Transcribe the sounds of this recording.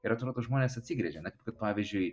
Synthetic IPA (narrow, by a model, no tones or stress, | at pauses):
ɪɾɐt̪ɾoːd̪oːʒmoːnʲeːsɐt̪ʲsʲiːɡɾʲɛʒʲɛnɛkʲɪpkɐt̪̚pɑːʋʲizʲd͡ʒʲʊɪ